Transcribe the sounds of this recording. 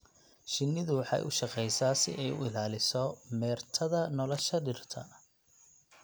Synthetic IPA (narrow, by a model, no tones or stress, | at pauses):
ʃɪnːɪðʊwɑħɑ̰jʔʊ̰ʃɑqɛjsaːsɪ̰ʔɛjʊ̰ɪlaːlɪsɔmɛːrt̪ʰɐðɐnɔlɔʃɐɖɪrt̪ʰɐ